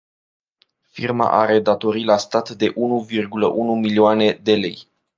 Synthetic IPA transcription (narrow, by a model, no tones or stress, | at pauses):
firma̰ʔa̰ɾe̞d̪at̪o̞ɾilast̪at̪d̪e̞ʔunuvirɡulə̰ʔunumilioane̞d̪e̞le̞j